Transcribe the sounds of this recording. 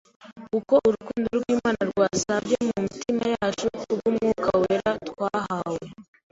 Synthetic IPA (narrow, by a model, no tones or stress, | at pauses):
kuko̞ʔuɾukuːnduɾuɡwiːmaːnaɾɡwaːsavjemumitʰimajaːt͡ʃukubɡumŋuːkʰaweɾatkwaːɦawe